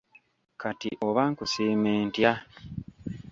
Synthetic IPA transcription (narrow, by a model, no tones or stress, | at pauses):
katḭʔo̞βaŋkusiːmeːntja